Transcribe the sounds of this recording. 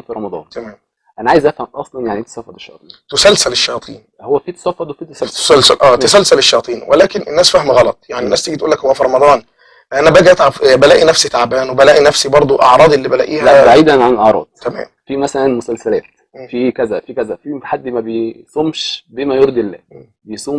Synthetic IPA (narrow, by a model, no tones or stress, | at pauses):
mfiɾˤɑmɑd̪ˤɑ̰ːnt̪æmæːm | ʔænæʕaːjezʔæfhæmʔɑsˤlɑnjaʕnit̪æ̥sæfːɑd̪ˤeʃːɑjɑ̰ːt̪ˤiːnt̪osælsæleʃːɑjɑt̪ˤḭːn | howːæfiːt̪æ̥sæfːɑd̪wefiːt̪æ̥sælsæælsælʔæːæsælsæleʃːɑjɑːt̪ˤiːnwelæːkenʔenːæːsfæhmɣɑlɑt̪ˤjaʕninæːst̪eɡit̪uːlːækhowːæfiɾˤɑmɑd̪ˤɑːn | ʔænæbæɡʔæt̪ʕabbælæːʔinæfsit̪aʕbæːnwebælæːʔinæfsibɑɾˤd̪ˤoʔɑʕɾˤɑːd̪ˤʔelːiːbælæʔiːhlææbaʕiːd̪ænʕanʔɑʕɾˤɑ̰ːd̪̥ˤt̪æmæ̰ːmfimæsælænmosælsælæːt̪ː | fikæzæfikæzæfiħad̪ːmæbejsˤomʃbemæjoɾˤd̪elːæ̰ː | bejsˤuːm